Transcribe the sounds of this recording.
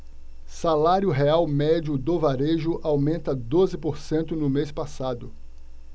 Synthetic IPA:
salaɾjʊɦeawmɛd͡ʒʊd̪ovaɾeʒʊʔawmẽnt̪ɐd̪ozɪpoɾsẽnt̪ʊnʊmespasad̪ʊ

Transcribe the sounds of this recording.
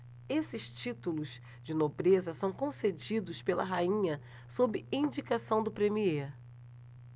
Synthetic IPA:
esɪʃt͡ʃit̪ulʊz | d͡ʒɪnobɾezɐsɐ̃w̃kõsed͡ʒid̪ʊspelɐɦaĩɲɐ | sobɪĩd͡ʒikasɐ̃w̃d̪ʊpɾemieɾ

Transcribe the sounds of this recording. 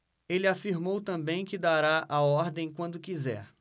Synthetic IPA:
elɪafiɾmowt̪ɐ̃bẽj̃kɪd̪aɾaʔaɔɾd̪ẽj̃kwɐ̃nd̪ʊkizɛ̰ɾ

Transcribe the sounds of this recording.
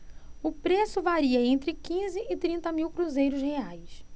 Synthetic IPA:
ʊpɾesʊvaɾiɐẽnt̪ɾɪkĩzɪʔɪt̪ɾĩnt̪ɐmiwkɾuzejɾʊsheajs

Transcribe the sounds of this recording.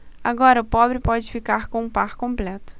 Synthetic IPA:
aɡɔɾɐʊpɔbɾɪpɔd͡ʒɪfikaɾkõũpaɾkõmplɛt̪ʊ̥

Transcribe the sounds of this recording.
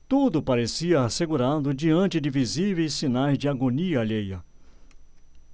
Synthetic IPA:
t̪ud̪ʊpaɾesiɐːseɡuɾad̪ʊd͡ʒiɐ̃nt͡ʃɪdɪvizivejsːinajzd͡ʒɪaɡoniɐːʎejɐ

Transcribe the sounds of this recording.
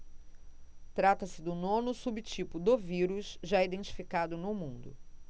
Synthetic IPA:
t̪ɾat̪ɐsɪd̪ʊnõnʊsubɪt͡ʃipʊd̪ʊviɾuʃʒaid̪ẽnt͡ʃi̥fikad̪ʊnʊmũnd̪ʊ̰

